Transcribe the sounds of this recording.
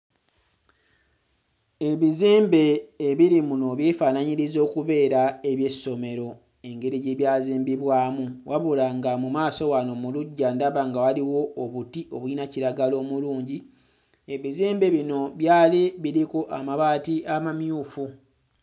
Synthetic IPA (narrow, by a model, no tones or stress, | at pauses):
e̞βizeːmbe̞ːβiɾimuno̞βjefaːnaɲiɾizo̞ːkuβe̞ːɾae̞βje̞so̞me̞ɾo̞ | e̞ŋɡe̞ɾiɟeβjaːziːmbiβwaːmuwaβulaŋɡamumaːso̞wano̞muluɟːandaβaŋɡawaliwo̞ːβutiʔo̞βwiːnaciɾaɡalo̞ːmuluːɲɟi | e̞βizeːmbe̞βino̞βjaːliβiɾikoʔamaβaːtiamamjuːfu